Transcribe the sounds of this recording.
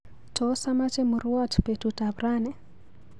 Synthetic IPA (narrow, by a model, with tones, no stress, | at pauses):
tɔsa˦ma˦t͡ʃɛ˦mu˨ɾu˦watu̥pe˨tuta˨βranɛ˨